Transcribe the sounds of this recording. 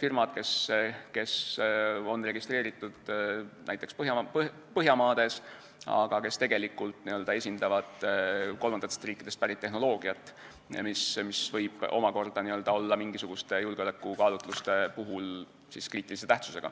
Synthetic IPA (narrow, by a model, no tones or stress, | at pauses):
firmɑd̪̥̚ke̞ske̞s | o̞nre̞ɡ̥ist̪re̞ːɾit̪ːˑud̪̥næ̰jt̪ːˑe̞kspɤɦjɑpɤ | pɤɦjɑmɑːd̪̥e̞s | ɑ̰ɡ̥ɑke̞st̪e̞ɡe̞likːˑult̪niø̞ld̪ɑe̞sʲind̪ɑvɑd̪̥ko̞lmɑnd̪ɑt̪est̪riːkːˑid̪̥est̪pæɾit̪ːe̞ɦno̞lo̞ːɡ̥iɑt̪ːˑ | mismisvɤjb̥o̞̰mɑko̞rd̪̥ɑniø̞ld̪̥ɑo̞lːɑmiŋɡ̥isuɡ̥ust̪e̞julɡeolekːˑukɑːlut̪ˑlust̪e̞puɦul | siskriːt̪ːˑilis̬e̞t̪æht̪suse̞ɡ̥ɑ̰